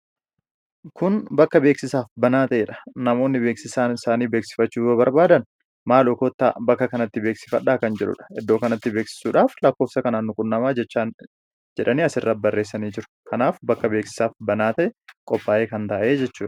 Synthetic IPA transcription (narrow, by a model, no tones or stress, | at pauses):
kʊnbɐkːɐbe̞ːksɪsaːfbɐnaːt̪ɐʔeːᶑɐ̥nɐmo̞ːnːɪbeːksɪsaːnɪsaːniːbe̞ːksɪ̥fɐt͡ʃːuːbɐbɐɾbaːd̪ɐn | maːlɔkoːt̪ːabɐkːɐkɐnɐt̪ːɪbe̞ːksɪ̥fɐᶑːaːkɐnd͡ʒɛᶑʊ̰ᶑɐ̥ɪd̪ːo̞ːkɐnɐt̪ːɪbeːksɪ̥suːᶑaːflɐkːo̞ːfsɐkɐnaːnːʊkʼʊnːɐmaːɛt͡ʃːa | d͡ʒɛᶑɐniːɐsɪrːɐt̪̚bɐrːe̞ːsːɐniːd͡ʒɪɾʊ̥kɐnaːfbɐkːɐbeːksɪ̥saːfbɐnaːt̪ɐʔɛkʼɔpːaːʔe̞ːkɐnt̪ɐʔe̞ːd͡ʒɛt͡ʃːuːᶑɐ̥